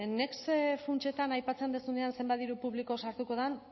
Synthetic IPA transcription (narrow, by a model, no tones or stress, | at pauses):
ne̞ksfunt͡ʃe̞t̪anajpat͡se̞nd̪esuneansembaðiɾupuβliko̞saɾt̪uko̞ðan